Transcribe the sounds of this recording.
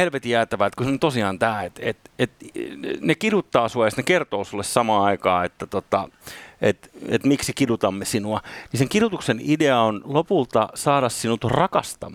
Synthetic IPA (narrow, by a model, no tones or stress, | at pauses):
elʋet̪ijæːt̪æʋæt̪kusnont̪osiɑnt̪æːet̪et̪et̪nekidut̪ːɑːsuɑjɑst̪nekert̪oːsulːessɑmɑːɑikɑːet̪ːæt̪ot̪ɑet̪ḛt̪miksikidut̪ɑmːesinuɑniseŋkiɾut̪uksenideɑonlopult̪ɑsɑːɾɑssinut̪orɑkɑ̰st̪ɑ̰mː